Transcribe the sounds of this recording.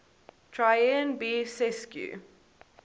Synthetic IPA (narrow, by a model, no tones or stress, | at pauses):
tʰɹajənbiːsɛskjṵ